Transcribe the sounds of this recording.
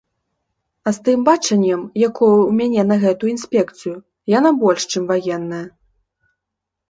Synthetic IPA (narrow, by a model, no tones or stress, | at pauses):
ɐst̪ɨmbat͡ʂɐnʲːɐmjakɔjuwmʲanʲɛnɐɣɛt̪ujuinsʲpʲɛkt̪sɨju | janabɔlʲʂt͡ʂɨmvajɛnːɐjɐ